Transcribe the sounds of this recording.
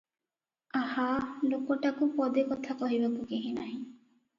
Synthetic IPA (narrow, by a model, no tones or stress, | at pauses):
ahalokoʈakupɔd̪ekɔt̪ʰakɔɦibakukeɦinaɦĩ